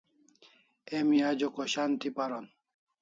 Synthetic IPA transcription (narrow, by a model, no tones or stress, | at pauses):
ɛmiad͡ʒokɔʃant̪ipaɾɔn